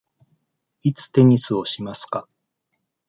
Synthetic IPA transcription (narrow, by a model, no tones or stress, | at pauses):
it͡sɨ̥t̪e̞ɲ̟isɨo̞ɕimasɨ̥ka